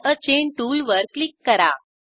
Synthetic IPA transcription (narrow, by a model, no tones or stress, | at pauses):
ət͡ɕeɳʈulʋəɾklikːəɾa̰